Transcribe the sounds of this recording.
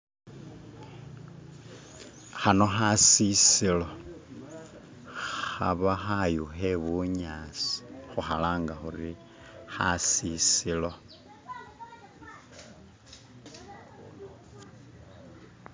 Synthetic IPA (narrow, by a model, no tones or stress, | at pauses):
xano̞xasisilo̞ | xa̰βaxajuxeβuɲaːt͡si̥xuxalaːŋɡaxuri | xasisilo̞